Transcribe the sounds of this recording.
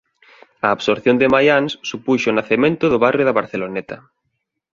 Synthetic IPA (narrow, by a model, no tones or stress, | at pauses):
aːβsoɾθjond̪ɪmajansːupuʃʊnaθemẽnt̪ʊðʊβarjʊðɐβaɾθelonɛt̪ɐ